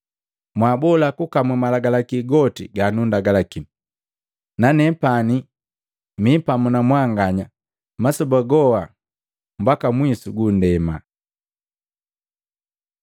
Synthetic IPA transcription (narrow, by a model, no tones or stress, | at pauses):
mwabɔlakukamumalaɡalakiɡɔtḭɡanundaɡalakim | nanɛpani | mipamunamwaŋɡaɲa | masɔbaɡɔwa | m̩bakamwisuɡundɛma